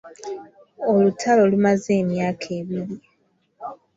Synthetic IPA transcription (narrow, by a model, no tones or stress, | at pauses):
o̞lutʰalo̞lumaze̞ːmjaːkʰe̞ːβiɾi